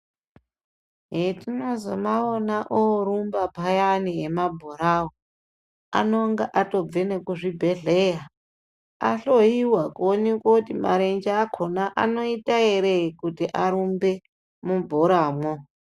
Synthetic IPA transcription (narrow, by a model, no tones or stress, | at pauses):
ɦetino̞zomaonaʔoɾumbapajaniɦemabʱoɾawo | a̰noŋɡaʔato̞b͡venekuʐibʱeɮeja | a̰ɬoiwakuonekwakutima̰ɾend͡ʒaːkʰonaʔa̰no̞itaeɾekutiʔaɾumbe | mubʱoɾaːmo